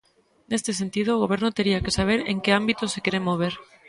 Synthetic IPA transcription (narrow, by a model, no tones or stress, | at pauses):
nest̪es̬ent̪ið̞oːɣ̞oβ̞eɾnot̪eɾiakesaβ̞eɾḛŋkeambit̪osekeɾemːoβ̞eɾ